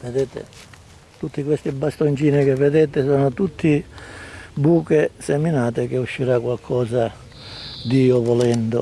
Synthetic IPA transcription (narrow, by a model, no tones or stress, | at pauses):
ved̪ɛːt̪ɪ̰ | t̪ut̪ːikwest̪ibast̪ont͡ʃiːnɪk̟evːed̪ɛːt̪ɪsɔːnʊt̪ut̪ʰːi | buːkɪsɛminaːt̪ɪk̟ɪuʃːiɾakwalkʰɔːza | d̪iːʊvɔlɛnd̪ʊ̰